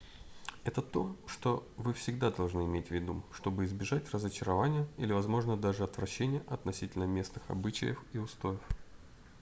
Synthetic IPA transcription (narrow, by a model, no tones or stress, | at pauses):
ɛt̪ət̪o̞ʂt̪o̞vɨfsʲɪɡd̪ad̪ɐlˠʐnɨɪmʲetʲvʲɪd̪uʂt̪o̞bɨɪzbʲɪʐatʲrəzət͡ɕɪɾɐvanʲɪjəilʲɪvɐzmo̞ʐnəd̪aʐɨɐt̪vɾɐɕːenʲɪjəʔɐt̪nɐsʲitʲɪlʲnəmʲe̞snɨxɐ̰bɨt͡ɕɪ̰jəxiʊst̪o̞jɪf